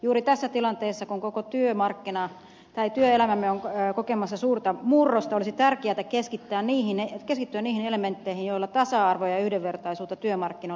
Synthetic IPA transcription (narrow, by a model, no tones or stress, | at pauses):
juːɾit̪æsːæt̪ilɑnt̪eːsːɑkuŋkokot̪yømɑrkːinɑ | t̪ɑit̪yøelæmæmːeoŋkokemɑsːɑsuːrt̪ɑmurːost̪ɑolisit̪ærkeæt̪ækeskit̪ːæːnniːhinekeskit̪ːyænniːhinelement̪ːeihijjoilːɑt̪ɑsɑɑrʋojɑyhdeʋːert̪ɑisuːt̪ːɑt̪yømɑrkːino